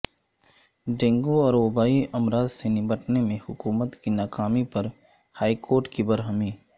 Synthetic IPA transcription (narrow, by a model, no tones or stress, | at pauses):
ɖẽːŋɡoɔːɾoːbaːiɐmɾaːzsenɪməʈnemẽhʊkuːmət̪kinaːkaːmipɐɾ | haːikʰoːɾʈkibɐɾɦəmiː